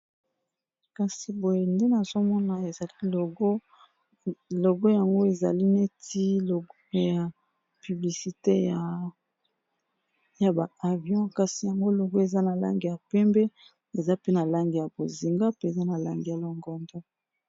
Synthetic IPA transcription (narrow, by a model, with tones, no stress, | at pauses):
ka˨si˨bo˨je˨nde˦na˨zo˦mɔ˦na˨e˨za˨li˦˨ɡ | lo˨ɡo˦ja˨ŋɡo˦e˨za̰˨li˦ne˦ti˦˨ɡja˨ | py˨bli˨si˨te˦ja˨ | ja˨ba˨a˨vi˦ɔ̃˦ka˨si˨ja˨ŋɡo˦lo˨ɡo˦e˨za˦na˨la̰˦ŋɡi˨ja˨pɛ˦mbɛ˦ | e˨za˦pe˦na˨la˦ŋɡi˨ja˨bo˨zi˨ŋɡa˦pe˦e˨za˦na˨la˦ŋɡi˨ja˨lo˨ŋɡɔ˨ndɔ˦